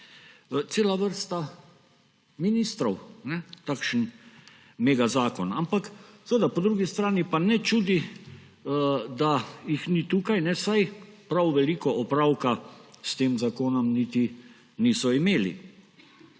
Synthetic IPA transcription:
t̪seːlaʋəɾst̪a | minist̪ɾɔwnɛt̪aːkʃən | meːɡazaːkɔnampaksʋed̪apɔd̪ɾuɡist̪ɾaːnipanɛt͡ʃuːd̪i | d̪ajixnit̪uːkajnɛsajpɾawʋɛliːkɔʔɔpɾawkast̪eːmzakoːnɔmnit̪i | niːsɔimeːlḭ

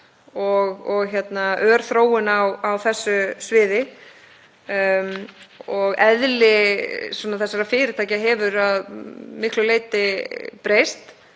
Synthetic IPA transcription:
ɔɣɔɣçɛt̪naʔœːɾ̥θɾoːwɪnawawθɛsːʏsvɪːðɪ | ɔɣɛðlɪswɔːnaθɛsːaɾafɪːɾɪt̪ʰaːjcaɦɛvʏɾaðmɪhklʏleːjt̪ɪpɾejst̪

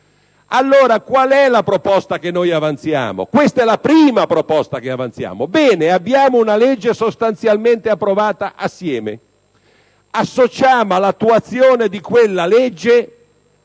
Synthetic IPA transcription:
alːoːɾakwalɛlapɾopɔst̪akenːojavant̪sja̰ːmo̰kwest̪ɛlapɾiːmapɾopɔst̪akeavant̪sja̰ːmobɛːneabːjaːmounalɛd͡ʒːesost̪ant̪sjalment̪eapːɾovaːt̪aʔasːjɛːmḛ | asːot͡ʃaːmoalːat̪ːuat̪sːjoːned̪ikwelːalɛd͡ʒːe

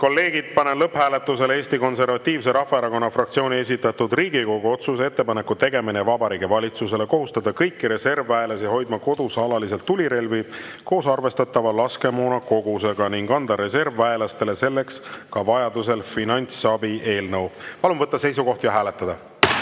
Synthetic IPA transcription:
ko̞lːe̞ːɡ̥id̪̥̚pɑnenlɤpːhæːle̞t̪ːˑuse̞le̞ːsʲt̪iko̞nse̞ɾvɑt̪ːiːvs̬e̞ɾɑfːɑeɾɑko̞nːɑfrɑk̚t̪sio̞ːnʲie̞s̬ʲit̪ːˑɑt̪ːud̪riːɡ̥iko̞ɡ̥uo̞t̪suse̞t̪ːe̞pɑne̞kːˑut̪e̞ɡe̞minevɑbɑɾiːɡevɑlʲit̪sus̬e̞le̞ko̞ɦust̪ɑd̪ɑkɤjkːiɾe̞se̞rvæelɑsiɦo̞jd̪mɑko̞d̪̥usɑlɑlise̞lt̪ːulʲiɾe̞lvi | ko̞ːsɑrve̞st̪ɑt̪ːˑɑvɑlɑske̞moːnɑko̞ɡ̥use̞ɡ̥ɑniŋɡɑnd̪ɑɾe̞se̞rvːæelɑst̪e̞le̞se̞lːe̞kskɑvɑjɑd̪us̬e̞lfinɑnʲt̪sɑbiʔe̞ːlnɤwpɑlumvɤt̪ːˑɑse̞js̬uko̞ht̪jɑɦæːle̞t̪ːˑɑd̪ɑ

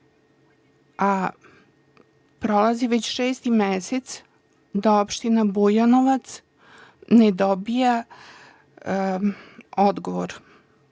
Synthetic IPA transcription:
a | pɾolaziʋet͡ɕʃeːst̪imeset̪s | d̪aopʃt̪inabujanoʋat̪s | ned̪obija | od̪ɡoʋoɾ

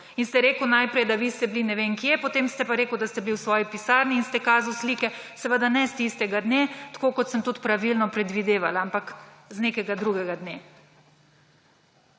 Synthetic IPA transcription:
inst̪ɛɾeːkwnajpɾɛjd̪aʋist̪ɛblinɛʋeŋkjɛpot̪eːmst̪ɛpaɾeːkəwd̪ast̪ɛbliwsʋɔːjipisaːɾniːnst̪ɛkaːzawsliːkɛsɛʋəd̪anɛst̪ist̪ɛɡad̪net̪ḁkokɔt̪səmt̪ut̪pɾaʋilnɔpɾɛd̪ʋid̪eːʋalaampakzneːkɛɡad̪ɾuɡɛɡad̪ne

